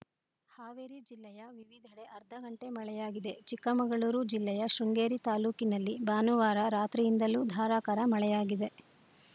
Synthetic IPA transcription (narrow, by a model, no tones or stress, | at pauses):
haːʋeɾid͡ʒilːɛjɐʋiʋid̪ʱɐɽe̞ɐɾd̪ʱɐɡɐɳʈe̞mɐɭɛjaːɡid̪e̞t͡ʃikːɐmɐɡɐɭuːɾud͡ʒilːɛjɐʃuŋɡeːɾit̪aːluːkinɐlːibaːnuʋaːɾɐɾaːt̪ɾijind̪ɐluːd̪ʱaːɾaːkɐɾɐmɐɭɛjaːɡid̪e̞